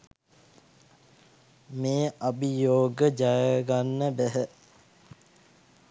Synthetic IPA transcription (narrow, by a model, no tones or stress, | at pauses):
meːʔabijoːɡəd͡ʒajəɡanːəbæɦə